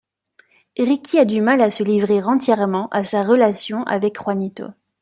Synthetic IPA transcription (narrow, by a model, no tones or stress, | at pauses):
ʁikʰʲiad̪ymalasəlivʁiʁɑ̃t̪jɛʁmɑ̃ʔasaʁəlasjɔ̃ʔa̰vɛkχwanit̪o̰